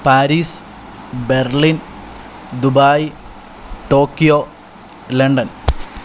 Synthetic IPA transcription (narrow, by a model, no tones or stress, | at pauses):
paːɾiːs | berlin | d̪ubaːj | ʈoːkːijoː | leɳɖɐn